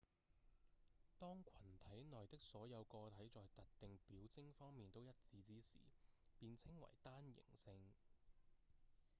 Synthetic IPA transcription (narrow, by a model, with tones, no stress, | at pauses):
t̪ɔː˥ŋkʷʰɐ˨˩nt̪ʰɐ˨˥jnɔː˨˩jt̪ɪ˥k̚sɔː˨˥jɐ˨˧wkɔː˧t̪ʰɐ˨˥jt͡sɔː˨jt̪ɐ˨k̚t̪ɪ˨ŋpiː˨˥wt͡sɪ˥ŋfɔː˥ŋmiː˨nt̪o˥wjɐ˥t̚t͡siː˨˧t͡siː˥sḭː˨˩piː˧nt͡sʰɪ˥ŋwɐ̰˨˩jt̪aː˥njɪ̰˨˩ŋsɪ˧ŋ